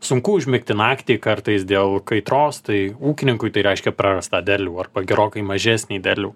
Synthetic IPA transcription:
sʊŋkʊʊʒʲmʲɪk̚t̪ʲɪnɑːkt̪ʲeːkɐrt̪ɐɪsd̪ʲeːlˠkɐɪt̪ɾoːst̪ɐɪuːkʲɪnʲɪŋkʊɪt̪ɐɪɾʲɛɪʃʲkʲɛpɾɑːɾɐst̪ɑːd̪ʲæːlʲuːɐrbɐɡʲɛɾoːkɐɪmɐʒʲæːsʲnʲeːd̪ʲæːlʲuː

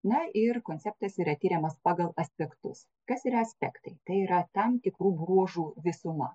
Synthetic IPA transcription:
nɐʔɪrkoːnʲtsʲɛp̚t̪ɐsiːɾɐt̪ʲiːɾʲɛmɐspɑːɡɐlˠɐsʲpʲɛkt̪ʊs | kɐsiːɾɐɐsʲpʲɛkt̪ɐɪt̪ɐɪiɾɐt̪ɐmt̪ʲɪkɾuːbɾuɔʒuːʋʲɪsʊmɐ

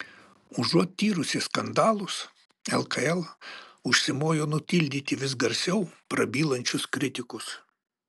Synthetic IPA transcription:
ʊʒuɔt̪̚ʲt̪ʲiːɾʊsʲɪskɐnd̪ɑːlˠʊs | ɛlˠkɐɛlˠʊʃʲsʲɪmoːjoːnʊt̪ʲɪlʲd̪ʲiːt̪ʲɪʋʲɪsɡɐɾʲsʲɛʊpɾɐbʲiːlˠɐnʲt͡ʃʲʊskɾʲɪt̪ʲɪkʊs

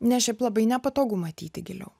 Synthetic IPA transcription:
nʲɛʃʲɛɪplˠɐbɐɪnʲɛpɐt̪oːɡumɐt̪ʲḭːt̪ʲɪɡʲɪlʲɛ̰ʊ

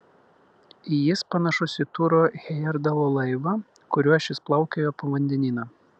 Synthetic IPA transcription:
ijɪspɐnɐʃʊsʲɪt̪ʊɾoːɣʲɛjɛɾd̪ɐlˠoːlˠɐɪʋɐ | kʊɾʲuɔʃʲɪsplˠɐʊkʲejoːpɐʋɐnʲd̪ʲɛnʲiːnɐ

